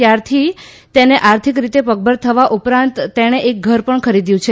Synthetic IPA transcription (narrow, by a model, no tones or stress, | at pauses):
t̪jaɾt̪ʰi | t̪eneʔaɾt̪ʰikɾit̪epəɡ̚bəɾt̪ʰəʋaʔupɾãnt̪ːeɽ̃eʔek̚ɡʱəɾpəɳkʰəɾid̪jũt͡ʃʰe